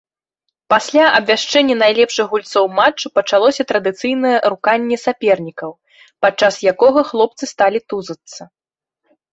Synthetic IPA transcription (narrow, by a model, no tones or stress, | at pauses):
pasʲlʲaʔɐbvʲaʂt͡ʂɛnʲːɛnajlʲɛpʂɨɣɣulʲt̪sɔwmat͡ʂːɨpɐt͡ʂalˠɔsʲɐt̪ɾɐd̪ɨt̪sɨjnɐjɛɾukanʲːɛsʲapʲɛrnʲikɐw | pat͡ʂːasjakɔɣɐxlˠɔp̚t̪sɨst̪alʲit̪uzɐt̪sɐ